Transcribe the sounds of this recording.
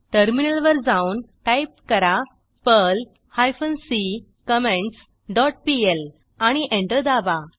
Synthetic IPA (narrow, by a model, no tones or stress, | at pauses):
ʈəɾminəlʋəɾd͡zaunʈajp̚kəɾa | pəl | hajfənsi | kəmẽɳʈs | ɖɔʈ̚piel | aɽ̃iʔẽɳʈəd̪aba